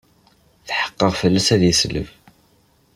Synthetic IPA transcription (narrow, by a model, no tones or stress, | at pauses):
θħə̥qːəʁfəlːæsæðjəslə̰v